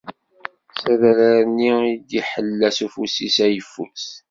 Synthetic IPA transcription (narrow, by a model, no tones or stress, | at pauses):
sæðæɾaɾniid̪iħəlːæsufusisæjəfːṵs